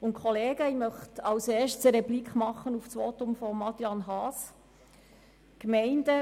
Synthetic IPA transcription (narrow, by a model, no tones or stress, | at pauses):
ʊntkʰχɔleːɡəimœχtɑwseːʃtsəɾɛblikχmɑχːənufsʋot̪ʊmfɔmɑt̪jɑnɦɑːs | kmɛɪndə